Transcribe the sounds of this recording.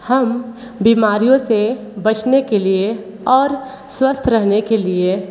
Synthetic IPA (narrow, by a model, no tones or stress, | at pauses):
həm | biːmaːɾijõse | bɐt͡ʃnekelie | ɔːɾ | swəst̪ʰɾəɦnekelie